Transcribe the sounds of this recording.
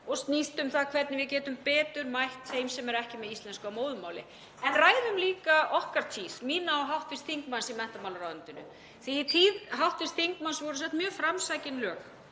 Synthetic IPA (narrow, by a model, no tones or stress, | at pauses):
ɔɣst̪nist̪ʏmθaðkʰvɛɾt̪nɪvɪðcɛːt̪ʏmpɛːt̪ʏɾmajht̪heːjmsɛmɛɾɛhcɪmɛðist̪lɛnskʏawmoːwðʏmaːwlɪ̰ | ɛnraːjðʏmliːkaɔhkaɾ̥t̪ʰiːsmiːnaɔɦawht̪vɪst̪θiŋkmansimɛnht̪amawlaɾaːðʏnt̪ɪnʏ̰ | θiːt̪ʰiːðɦawht̪vɪst̪θiŋkmansvɔɾʏsɛt̪mjœːfɾamsajcɪnlœːx